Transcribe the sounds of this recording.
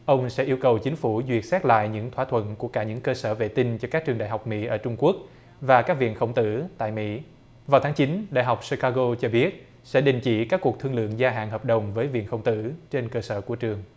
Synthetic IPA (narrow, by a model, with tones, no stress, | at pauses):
ʔə˧wŋ͡msɛ̰˧˥ʔi˧əwkə˨˩wt͡ɕï˨˦ŋ̟fu˧˩zwi˨˩ət̚sɛ˦˥t̚la̰ː˧˨jɲɨ̰˧˥ŋt̪ʰwaː˧˥t̪ʰwə̰˧˨nku˧˩əkaː˧˩ɲɨ̰˧˥ŋkəː˧səː˧˩vḛ˧˨t̪ï˧nt͡ɕɔ˧kaː˦˥k̚t͡ɕɨ˨˩əŋɗa̰ː˨jɦa˨˩wk͡p̚mḭ˧˥ʔəː˧˩t͡ɕʊ˧ŋ͡mku˦˥ək̚ | vaː˨˩kaː˦˥k̚vḭ˧˨ənxə˧˩wŋ͡mt̪ɨ̰˧˥t̪a̰ː˧˨jmḭ˧˥ | vaː˨˩wt̪ʰaː˨˦ŋt͡ɕi˨˦nɗa̰ː˧˨jɦa˨˩wk͡p̚si˧kaː˧ɣo˧t͡ɕɔ˧ɓi˦˥ət̚ | sɛ̰˧˥ɗï˨˩ŋ̟t͡ɕḭ˧˥kaː˦˥kːu˨˩ək̚t̪ʰɨ˧əŋlɨ̰˧˨əŋzaː˧ɦa̰ː˧˨nɦəː˨˩p̚ɗə˨˩wŋ͡mvəː˨˦jvḭ˧˨ənxə˧wŋ͡mt̪ɨ̰˧˥t͡ɕe˧nkəː˧səː˧˩ku˧˩ət͡ɕɨ˨˩əŋ